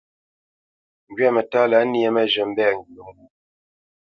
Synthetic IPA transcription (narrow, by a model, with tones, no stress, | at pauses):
ŋ˨ɡɥɛ˦˨mə˨ta˦la˨˦ni˦e˦mə˦ʒə˨m̩˦bɛ˦˨ŋ˨ɡi˨o˨ŋ˦